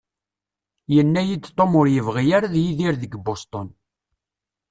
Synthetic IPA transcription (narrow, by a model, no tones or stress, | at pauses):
jənːæjid̪t̪ˤːomʊɾjəvʁijaɾaðjiðiɾðəɡbost̪ˤɔn